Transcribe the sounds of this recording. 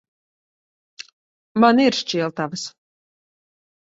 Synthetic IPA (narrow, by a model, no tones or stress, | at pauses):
maniɾʃt͡ʃiɛlˠt̪avəs